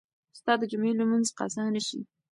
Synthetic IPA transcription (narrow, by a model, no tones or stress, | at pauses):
st̪ɑd̪əd͡ʒʊmelamənzqɑ̰sanəʃḭ